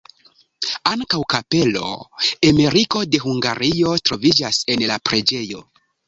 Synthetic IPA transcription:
aŋkawkape̞lo̞̰eme̞ɾiko̞de̞ɦuŋɡa̰ɾijo̞tɾo̞vid͡ʒase̞nlapɾe̞d͡ʒe̞jo̞

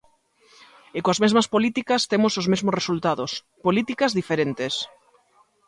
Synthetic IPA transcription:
ɪkoazmezmɐspolit̪ikɐst̪emʊsozmezmosresult̪aðos | polit̪ikɐzðifeɾent̪es

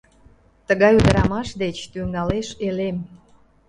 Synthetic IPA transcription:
t̪əɣɑjud̪əɾɑmɑʃd̪et͡ɕt̪yŋɑleʃelem

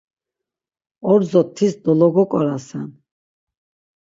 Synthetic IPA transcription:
ɔɾzɔt̪ʰːisd̪ɔlɔɡɔkʼɔɾasɛn

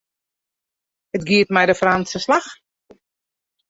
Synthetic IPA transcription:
hətɡiətmɛjdəfransəslax

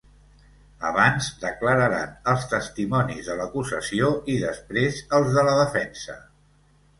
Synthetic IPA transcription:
əβanzd̪əkləɾəɾa̰nəlˠst̪əst̪imɔnizðələkuzəsioiðəspɾezəlˠzðələðəfɛnsə̰

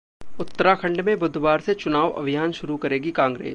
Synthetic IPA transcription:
ʊt̪ːəɾakʰɐ̃ɳɖmẽbʊd̪ʱwaːɾset͡ʃʊnaːʋɐ̰bʱɪjaːnʃʊɾukɐɾeːɡikãːŋɡɾḛː

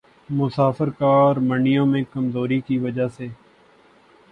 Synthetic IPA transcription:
mʊsaːfəɾkaːɔːɾməɳɪjõːmẽːkəmzoːɾiːkiʋəd͡ʒaːseː

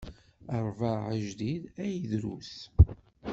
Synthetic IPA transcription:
əɾˤvəʕəʒd̪iðæjəðɾuθ

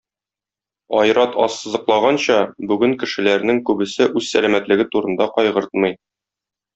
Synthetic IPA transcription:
ɒjɾɑt̪ɒsːɤ̆zɤ̆qlˠɑʁɑnɕɑbʉɡɘŋkɘ̆ʃɘ̆læɾnɘŋkʉbɘ̆sɘʔʉzsælæmæt̪lɘ̆ɡɘt̪uɾɤ̆nd̪ɑqɒjʁɤ̆ɾt̪mɤ̆j

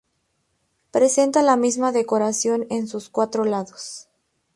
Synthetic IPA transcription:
pɾe̞se̞nt̪alamizmaðe̞ko̞ɾasjo̞ne̞nsuskwat̪ɾo̞laðos

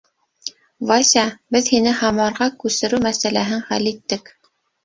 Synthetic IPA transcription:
vɑsʲɑbɘðhinɘhɑmɑɾʁɑkʉsɘ̆ɾʉmæsælæɦɘɴχæ̰lit̪ːɘk

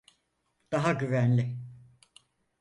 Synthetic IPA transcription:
d̪̥aɦaɟyvænlʲɪ

